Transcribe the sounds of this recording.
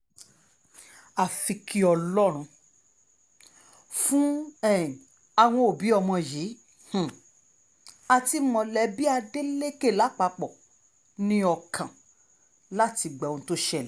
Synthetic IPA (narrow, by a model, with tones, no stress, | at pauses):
a˨fi˧kʰi˧ɔ˧lɔ˦ɾ̃ũ˧ | fũ˦ɛ˦˨ĩ˨ | a˧˨w̃ɔ̃˧o˨bi˨˦ɔ˧mɔ̃˧ji˨˦ | h̩˨ | a˧ti˧mɔ̃˧lɛ˧bi˦a˧de˦le˦ke˦˨la˨˦k͡pa˧k͡pɔ˨ | nĩ˧˦ɔ˧kʰã˨ | la˦ti˧ɡ͡bɛ˨õ˨˧˦to˦ʃɛ˦˨lɛ˨˦